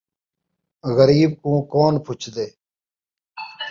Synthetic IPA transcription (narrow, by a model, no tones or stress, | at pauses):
ɣəɾiːb̚kũːkoːnpʰʊt͡ʃʰd̪eː